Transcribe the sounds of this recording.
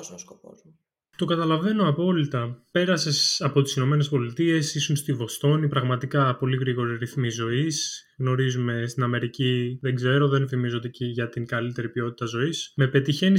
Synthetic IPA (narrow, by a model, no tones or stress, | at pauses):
skopo̰z | t̪o̞kɐt̪ɐlɐve̞noɐpo̞lit̪ɐpe̞ɾɐse̞sɐpo̞t̪i̥sino̞me̞ne̞spo̞lit̪ie̞sisunst̪ivo̞st̪o̞nipɾɐɣmɐt̪ikɐpo̞liɣɾiɣo̞ɾiɾiθmizo̞is | ɣno̞ɾizume̞st̪inɐme̞ɾiciðeɡze̞ɾo̞ðe̞nfimizo̞t̪eciʝɐt̪iŋɡɐlit̪e̞ɾipio̞t̪i̥t̪ɐzo̞isme̞pe̞t̪içe̞ni